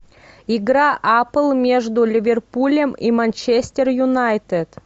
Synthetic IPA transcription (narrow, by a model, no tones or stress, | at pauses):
iɡɾaʔapəlˠmʲeʐd̪ʊlʲɪvʲerpulʲemimanʲt͡ɕesʲt̪ʲerjʊnajt̪et̪